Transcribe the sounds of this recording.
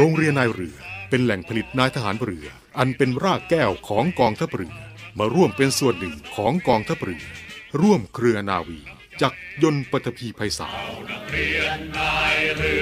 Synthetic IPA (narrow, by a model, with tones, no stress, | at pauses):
ɾoː˧ŋɾi˧ənːaː˧jɾɯ˩˦ɐpe˧nlɛ˨˩ŋpʰa˧li˨˩t̪̚naː˧jt̪ʰa˧ɦaː˩˦nɾɯ˩˦ɐ | ʔa˧npe˧nɾaː˥˩kːɛː˥˩wkʰɔː˩˦ŋkɔː˧ŋt̪ʰa˦˥p̚ɾɯ̰˩˦maː˧ɾu˥˩əmpe˧nsu˨˩ənːɯ˨˩ŋkʰɔː˩˦ŋkɔː˧ŋt̪ʰa˦˥p̚ɾɯ˨˩ɾu˥˩əmkʰɾɯ˧ɐnaː˧wiː˧ | t͡ɕaː˨˩k̚jo˧npa˨˩t̪ʰːa˧pʰiː˧pʰa˧jsa̰ː˩˦